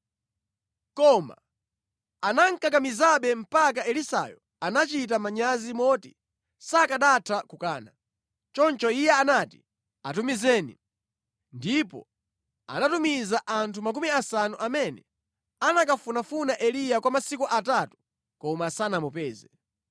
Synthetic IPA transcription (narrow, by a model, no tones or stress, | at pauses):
kɔma̰ | anaŋ̩kak̬amizaɓɛm̩pak̬aɛlisa̰jɔ | anat͡ʃit̬amaɲazimɔti | sakaɗatʰakukaːna | t͡ʃɔnt͡ʃɔijɛanati | atumizɛːnḭ | ndipɔ̰ | a̰natumizaʔantʰumak̬umiasanuʔamɛnɛ | anakafunafunaʔɛlijakwamasikuʔatatu̥ | kɔmasanamɔpɛːzɛ